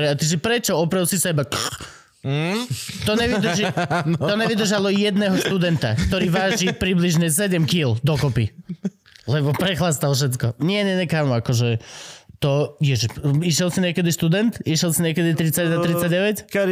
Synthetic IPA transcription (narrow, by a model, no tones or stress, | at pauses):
ɾɛat̪iʒɛpɾɛt͡ʃɔɔpɾɛlsisɛbak | t̪ɔɲɛʋid̪ɾ̩ʒiɔɲɛʋid̪r̩ʒalɔjɛd̪nɛːɦɔʃt̪ud̪ɛnt̪a̰kt̪ɔɾiːʋaːʒipɾibliʒɲɛs̬ɛɟɛmkild̪ɔkɔpi | lɛbɔpɾɛxlast̪alfʃ̬ɛt̪kɔɲɪɛɲɛɲɛkaːmuakɔʒɛt̪ɔjɛʒɛiʃjɛlsiɲɛkɛd̪iʃt̪ud̪ɛnt̪iʃjɛlsiɲɛkɛd̪it̪ɾit͡saɟnat̪ɾit͡sːaɟɛʋɛckɛ